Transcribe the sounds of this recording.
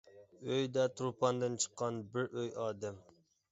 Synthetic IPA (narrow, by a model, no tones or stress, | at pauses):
øjd̪ɛt̪ʰɾupɑnd̪ɨnt͡ʃʰə̥qːɑnbɪɾøjɑːd̪ɛm